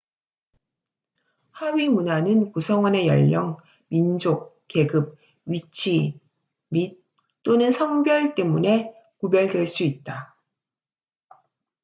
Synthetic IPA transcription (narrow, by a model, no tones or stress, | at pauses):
haɥimunanɯnkusʰʌŋwʌne̞jʌ̰ʎːʌŋ | mind͡ʑok̚ | ke̞ɡɯp̚ | ɥit͡ɕʰi | mit̚ | t͈onɯnsʰʌŋbjʌɭt͈e̞mune̞ | kubjʌɭdwe̞ɭs͈uit̚t͈a